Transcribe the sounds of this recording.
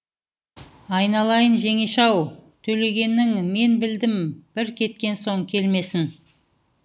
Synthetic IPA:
ɑjnɑlˠɑjənʒe̞ŋe̞ʃɑwt̪ʰɵle̞ɡʲe̞nːɪŋme̞nbɪld̪ɪmb̥ɪɾkʲʰe̞t̪̚kʲe̞nso̞ŋkʲʰe̞lme̞sɪn

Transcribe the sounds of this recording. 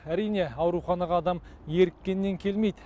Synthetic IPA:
æɾijne̞ɑwɾuχɑnɑʁɑːd̪ɑmje̞ɾɪkʲːe̞nːe̞ŋkʲʰe̞lmejd̪

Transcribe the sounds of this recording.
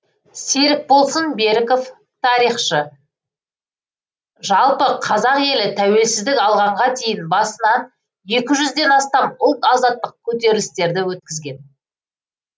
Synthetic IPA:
seɾɪk̚bo̞lˠsənbe̞ɾɪko̞f | t̪ʰɑɾijχʃə | ʒɑlˠpəqʰɑzɑqje̞lɪt̪ʰæwe̞lsɪzd̪ɪkɑlˠʁɑɴʁɑt̪ʰejɪnbɑsənɑ | je̞kʲɪʒʏzd̪e̞nɑst̪ɑmʊlˠt̪ɑzɑt̪ːəq̚kʲʰɵt̪̬e̞ɾɪlɪst̪e̞ɾd̪ɪwɵt̪̚kʲɪzɡʲe̞n

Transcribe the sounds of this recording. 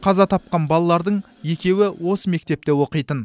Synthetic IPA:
qʰɑzɑt̪ʰɑp̚qɑnbɑlˠɑlˠɑɾd̪əɴ | je̞kʲe̞wɪwo̞səme̞k̚t̪e̞p̚t̪e̞wo̞qəjt̪ən

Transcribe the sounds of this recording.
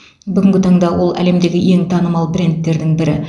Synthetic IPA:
bʏɡʲɪŋʲɡʲɪt̪ʰɑɴd̪ɑwo̞lˠæ̰le̞md̪e̞ɡʲɪje̞ŋt̪ʰɑnəmɑlˠprʲent̪ːe̞ɾd̪ɪŋbɪɾɪ

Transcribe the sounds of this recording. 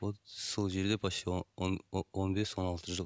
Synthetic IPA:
osolˠʒeɾd̪ebʰɑʃenonbesonɑlˠt̪əɾʒo

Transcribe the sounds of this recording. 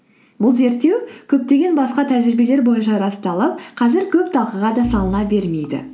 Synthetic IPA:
bʊlˠze̞ɾt̪ːe̞wkʲʰɵp̚t̪e̞ɡʲe̞nbɑsqɑt̪ʰæʒɾɪbe̞le̞ɾbo̞jənʃɑɾɑst̪ɑlˠəp̚qʰɑzɪɾkʲʰɵpt̪ʰɑlˠqəʁɑd̪ɑsɑlˠənɑbe̞ɾme̞jd̪ɪ̰

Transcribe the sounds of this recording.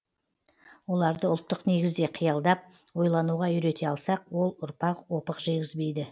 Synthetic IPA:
wo̞lˠɑɾd̪əʊlˠt̪ːəqne̞ɡʲɪzd̪e̞qʰijɑlˠd̪ɑp̚ | wo̞jlˠɑnuʁɑʏɾe̞t̪ʰe̞ɑlˠsɑq̚wo̞lˠʊɾpɑqwo̞pəqʒe̞ɡʲɪzbe̞jd̪ɪ

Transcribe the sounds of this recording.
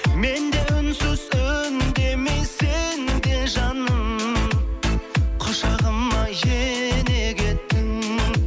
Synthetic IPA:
me̞nd̪e̞ʏnsʏzɵnd̪e̞mejsend̪e̞ʒɑnəm | qʰʊʃɑʁəmːɑjene̞kʲe̞t̪ːɪŋ

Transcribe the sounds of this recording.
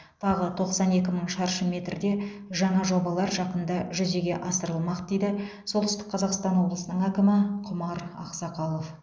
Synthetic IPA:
t̪ʰɑʁət̪ʰo̞qsɑne̞kʲɪməɴʃɑɾʃəme̞t̪ɾɪd̪e̞ | ʒɑɴɑʒo̞bɑlˠɑɾʒɑqənd̪ɑʒʏze̞ɡʲe̞ʔɑsəɾəlˠmɑqd̪ejd̪ɪ | solˠt̪ʏst̪ɪk̚qʰɑzɑqst̪ɑnwo̞blˠəsənəɴækʲɪmɪqʰʊmɑɾɑ̰qsɑqɑlˠo̞f

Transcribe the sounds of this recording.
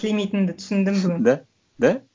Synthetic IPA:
lemijt̪ɪnd̪ɪt̪ʰʏ̥sɪnd̪ɪmbɪɡʲɪnd̪æ | d̪æ

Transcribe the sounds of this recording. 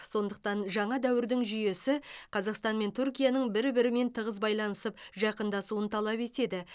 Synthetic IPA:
so̞nd̪əq̚t̪ɑnʒɑɴɑd̪æwɪɾd̪ɪŋʒʏje̞sɪqʰɑzɑqst̪ɑnme̞nt̪ʰʏɾkʲijɑnəɴbɪɾbɪɾɪme̞nt̪ʰəʁəzbɑjlˠɑnəsəp̚ʒɑqənd̪ɑsuənt̪ʰɑlˠɑpe̞t̪e̞d̪ɪ

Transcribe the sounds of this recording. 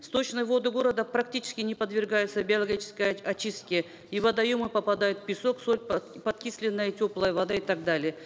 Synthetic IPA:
st̪o̞t͡ɕnəjvo̞d̪ɨɡo̞ɾəd̪əpɾɐk̚tʲit͡ɕɪ̥skʲɪnʲɪpəd̪vʲɪrɡajʊt̪səbʲɪɐlˠɐɡʲit͡ɕɪ̥skəjɐt͡ɕist̪̚kʲɪə | ivɐd̪ɐjumɨpɐpɐd̪ajʊt̪pʲɪso̞ksolʲpɐt̪kʲisʲlʲɪnːəjətʲo̞plˠəjəvɐd̪aɪt̪aɡ̚d̪alʲɪjə

